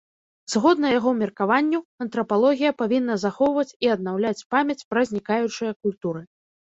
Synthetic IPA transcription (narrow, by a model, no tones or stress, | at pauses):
z̥ɣɔd̪nɐjaɣɔmʲirkavanʲːuɐnt̪ɾɐpalˠɔɣʲijɐpavʲinːɐzaxɔwvɐt͡sʲiɐd̪̚nawlʲat͡sʲpamʲɐt͡sʲpɾɐzʲnʲikajut͡ʂɨjɐkulʲt̪uɾɨ